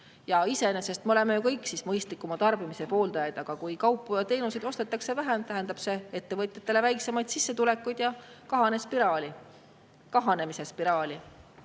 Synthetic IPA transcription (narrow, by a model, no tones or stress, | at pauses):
jɑise̞nese̞st̪̚meole̞mejukɤjkːsismɤjst̪likːumɑt̪ɑrb̥imise̞po̞ːld̪ɑjɑd̪ɑɡ̥ɑkujkɑwpːˑujɑt̪e̞ːnuse̞d̪o̞st̪e̞t̪ːˑɑkse̞væɦe̞mt̪æɦænd̪̥ɑb̥se̞e̞t̪ːe̞vɤt̪ʲˑjɑt̪ˑːe̞le̞væjkse̞mɑjd̪̥sisːe̞t̪ule̞kːˑujd̪̥jɑkɑɦɑnespiɾɑːlʲi | kɑɦɑne̞mise̞spiɾɑːlʲi